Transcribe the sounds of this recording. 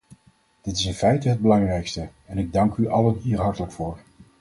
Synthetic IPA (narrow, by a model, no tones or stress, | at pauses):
d̥ɪtɪsɪnfɛjtəɦəd̚bəlɑŋrɛjkstəɛnɪɡ̚dɑŋkyʔɑlənɦiːɹɦɑɹtələkfʊːɹ